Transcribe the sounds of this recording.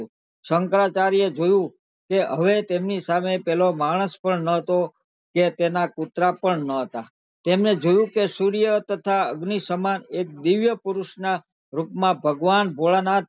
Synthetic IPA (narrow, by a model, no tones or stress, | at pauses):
səŋkɾat͡ʃaɾijed͡ʒojũ | keəʋet̪emnisamepɛlomaɽ̃əspəɳnəɦət̪o | ket̪enakut̪ɾapəɳnəɦət̪a | t̪emned͡ʒojũkesuɾijət̪ət̪ʰaəɡnisəmanek̚d̪iʋjəpʊɾʊʃna | ɾupmãbʱəɡʋanbʱoɭanat̪